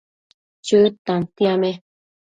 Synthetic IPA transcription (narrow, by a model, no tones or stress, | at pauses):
t͡ʃɨt̪ãnt̪iamẽ